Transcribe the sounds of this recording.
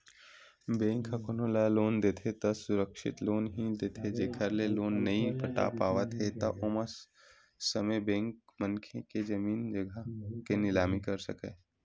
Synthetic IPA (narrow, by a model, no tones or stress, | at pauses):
bẽːŋkɦɐkonoːlaloːnd̪eːt̪ʰet̪ɐsʊɾəkʃɪ̰t̪loːnɦĩd̪eːt̪ʰed͡ʒeːkʰəɾleloːnːɐɦĩpəʈa̰paːʋət̪ɦet̪ɐʔoməs | sɐmebẽːŋkmənkʰeked͡ʒɐmiːnd͡ʒɐɡʱəkenɪlaːmikɐɾsɐ̰keː